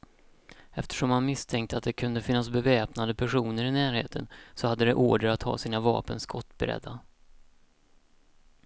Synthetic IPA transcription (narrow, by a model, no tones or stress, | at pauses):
ɛft̪ʰə̥ʂɔmhanmɪst̪ʰɛŋk̚t̪əat̪̚d̪ɛkʰɵnd̪əfɪnːasbɛvɛːpnad̪əpʰæʂuːnəɾɪnæːɾhḛːt̪ʰənsɔhad̪ːəd̪ɛʔoːɖəɾat̪hɑ̰ːsiːnavɑ̰ːpənskʰɔt̪ːbɛɾɛ̰d̪ːa